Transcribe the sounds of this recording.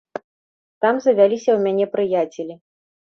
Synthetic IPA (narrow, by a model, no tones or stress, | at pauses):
t̪amzɐvʲalʲisʲɐwmʲanʲɛpɾɨjat͡sʲɛlʲi